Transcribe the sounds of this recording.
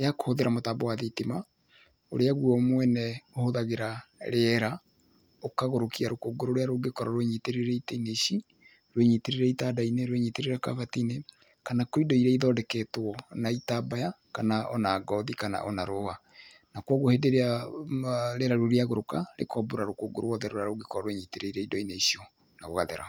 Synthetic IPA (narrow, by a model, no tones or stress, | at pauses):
jako̥hoðeɾamotaːbowaðetima | o̰ɾeaɣuɔmwɛnɛohoðaɣeɾaɾeɾa | okaɣoɾokiaɾokoɡoɾoɾeaɾoɡekɔɾɔɾweɲiteɾeɾɛitaineʃi | ɾweɲiteɾeɾɛitaːdaineɾweɲiteɾeɾakaβatine | kanakoidɔiɾɛiðɔdɛkɛtɔnaitabaja | kanaʔɔnaːɡɔðikana̰ʔɔnaɾoɣa | nakwɔɣohedeɾea | ɾeɾaɾoɾeaɣoɾokaɾḛkɔboɾaɾokoːɡo̰ɾowɔðɛɾoɾaɾoɡekɔɾɔɾweɲiteɾeiɾɛidɔineisiɔ | naɣoɣaðḛɾa̰